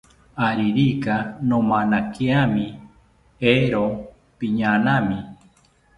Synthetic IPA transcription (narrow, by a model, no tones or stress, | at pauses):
aɾiɾikanõmãnãkiamĩ | eɾo | piɲãnãmĩ